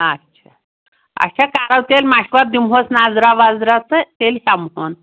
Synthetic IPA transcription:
ətːɕʰa | a̰ɕakaɾawt̪elmaɕkʋaɾd̪imɦosnad͡zɾaʋad͡zɾat͡sət̪elhamɦon

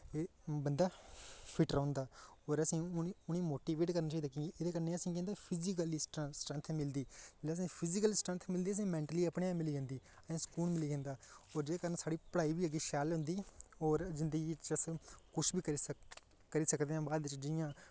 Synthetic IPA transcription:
eː | bənd̪aːpʰɪʈəɾãːnd̪aːɔːɾəsĩːʊnĩːmoːʈiːʋeːʈkəɾnaːt͡ʃaːid̪akẽːɡiːʔed̪eːkəɾneːəsĩːkɛ̃ːnd̪aːpʰɪzikəlisʈəsʈɾə̃nt̪ʰmɪld̪iːlaːəs̬ĩːpʰɪzikəlsʈɾə̃nt̪ʰmɪld̪iːəs̬ĩːmɛ̃ːɳʈəliːəpɳeːãːmɪliːd͡ʒãːnd̪iː | əsẽːskuːnmɪliːd͡ʒɛ̃ːnd̪aːɔːɾd͡ʒeeːkəɾənsaːɽiːpəɽaːiːbiːəɡiːʃɛːlɦʊ̃nd̪iːɔːɾzɪnd̪əɡiːt͡ʃəskʊt͡ʃʰbiːkə | kəɾiːsəkd̪eːãːbaːd̪ʋɪt͡ʃd͡ʒɪjãː

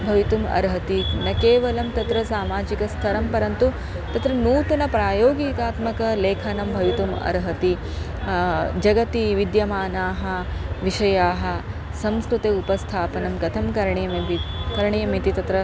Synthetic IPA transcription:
bʱɐʋit̪umɐ̰ɾɦɐt̪inɐkeːʋɐlɐmt̪ɐt̪ɾɐsaːmaːd͡ʒikɐst̪ʰɐɾɐmpɐɾɐnt̪u | t̪ɐt̪ɾɐnuːt̪ɐnɐpɾaːjoːɡikaːt̪mɐkɐleːkʰɐnɐmbʱɐʋit̪umɐ̰ɾɦɐt̪i | d͡ʒɐɡɐt̪iʋid̪jɐmaːnaːɦɐʋiʃɐjaːɦɐ̆ | sɐmskɾut̪eupɐst̪ʰaːpɐnɐmkɐt̪ʰɐmkɐɾɳijɐmbikɐɾɳijɐmit̪it̪ɐt̪ɾɐ

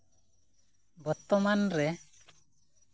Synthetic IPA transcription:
bət̪ːɔmanɾɛ

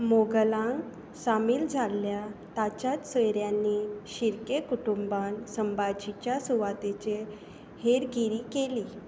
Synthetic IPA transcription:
moɡəlãŋɡ | samiːld͡zʱalːjat̪at͡ɕat̪səjɾjanːiɕiɾkekuʈumbansəmbad͡ʑit͡ɕjasuʋat̪et͡ɕe | heɾɡiɾikeli

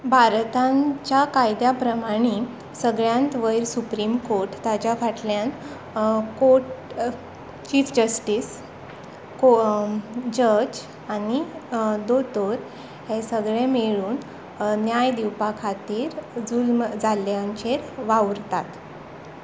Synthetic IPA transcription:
bʱaɾt̪ãt͡ɕakajd̪japɾəmaɽ̃i | səɡɭjãnt̪ʋəiɾsupɾiːmkoɾʈt̪jat͡ɕjafaʈljãn | koʈ | t͡ɕiːfd͡ʑəsʈiːs | ko | d͡ʑəd͡ʑ | anid̪ot̪oɾ | ɦesəɡɭemeɭuːn | njajd̪iwpakʰat̪iːɾd͡zulmd͡zaljaɲt͡ɕeɾʋawɾt̪at̪

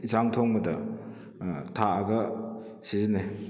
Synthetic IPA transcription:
isaŋtʰɔŋmɐdɐ | tʰaːɡɐsizine

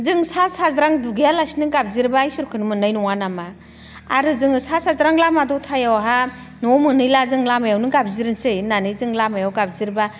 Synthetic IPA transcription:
zɯŋsasazɾaŋduɡijalasinɯɡab̚ziɾbajsuɾkʰɯnɯmɯnɯjnɔŋanama | aɾɯzɯŋɯsasazɾaŋlamadɔtʰajawɦa | nɔmɯnɯjlazɯŋlamajawnɯɡab̚ziɾɯnsɯjnanɯjzɯŋlamajawɡab̚ziɾba

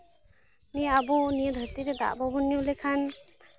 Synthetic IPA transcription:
nijabɔnijəd̪ʱəɾt̪iɾɛd̪a̰ʔbɔbunːijulɛkʰan

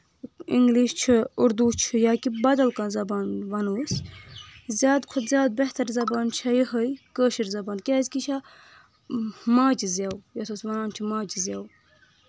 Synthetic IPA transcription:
iŋɡliʃt͡ʃʰiuɾd̪uːt͡ʃʰɨjaːkibɐd̪ɐlkɐnzɐbaːnʋɐnuːs | zʲjaːd̪kʰut̪zʲjaːd̪̚beht̪ɐɾzɐbaːnt͡ʃʰɐjəɦəjkəːʃiɾzɐbaːnkʲaːzʲkit͡ʃʰa | maːd͡ʒizʲjawjɐt̪ʰosʋɐnaːnt͡ʃʰimaːd͡ʒizʲjaːw

